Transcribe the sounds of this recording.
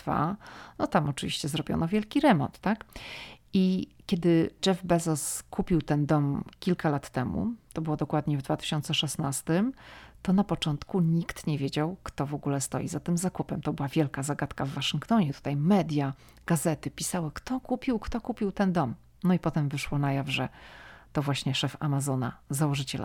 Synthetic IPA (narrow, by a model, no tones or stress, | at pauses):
fa̰nɔt̪amɔt͡ʂɨvʲiɕt͡ɕɛzɾɔbʲjɔ̰nɔvʲjɛlkʲiɾɛmɔ̰nt̪ːak | ikʲjɛd̪ɘd͡ʐɛvbɛzɔskʰupʲiwt̪ɛnd̪ɔmkʲilkalat̪ːɛmṵt̪ɔbɘwɔd̪ɔkwad̪ɲɛvd̪vat̪ɘ̥ɕɔnt̪sɛʂɛsnast̪ɘmt̪ɔnapɔt͡ʂɔnt̪kuɲikt̪ɲɛvʲjed͡ʑawkt̪ɔvɔɡulɛst̪ɔ̰jḭzat̪ɘmzakupɛmt̪ɔbɘwavʲjɛlkazaɡat̪kavːaʂɘŋkt̪ɔɲɛt̪u̥t̪ajmɛd̪ʲja | ɡ̥azɛt̪ɘpʲisawɘkt̪ɔkupʲiwkt̪ɔkupʲiwt̪ɛnd̪ɔm | nɔipɔt̪ɛmvɘʂwɔnajavʐɛt̪ɔvwaɕɲɛʂɛfa̰mazɔna̰zawɔʐɘt͡ɕɛla̰